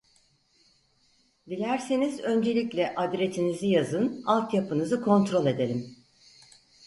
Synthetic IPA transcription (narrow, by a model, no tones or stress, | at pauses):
d̪ilʲæɾsinizø̞nd͡ʒe̞lʲiclʲɛʔad̪ɾet̪ʰinizijazɯnalˠt̪japɯnɯzɯkʰo̞nt̪ɾo̞lʲˠe̞d̪e̞lʲim